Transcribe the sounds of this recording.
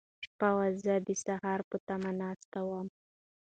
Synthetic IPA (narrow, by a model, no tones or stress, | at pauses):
ʃpawazəd̪əsahɑɾpət̪amanɑst̪awam